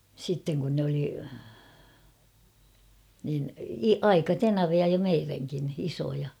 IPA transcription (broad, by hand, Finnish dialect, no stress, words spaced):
sitːeŋ kun nĕ oli niːni ɑikɑtenɑʋiɑ jo meiræŋkin isojɑ